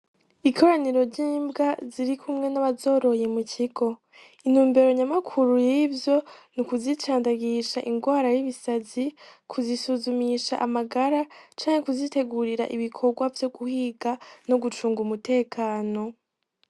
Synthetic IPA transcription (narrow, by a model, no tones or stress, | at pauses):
ikʰo̞ɾaniɾo̞ɾɟiːmbɡaziɾikʰumŋe̞naβazo̞ːɾo̞jemuciɡo̞ | in̥huːmbe̞ɾo̞ɲamakʰuɾujivjo̞nukuzit͡ʃaːndaɡiʃaʔiŋɡwaːɾajiβisazikʰuzisuzumiʃaʔamaɡaɾat͡ʃaːŋe̞kuzite̞ɡuɾiɾa̰ʔiβikʰo̞ɡwavjo̞ɡuhiɡano̞ɡut͡ʃuːŋɡumute̞ːkʰaːno̞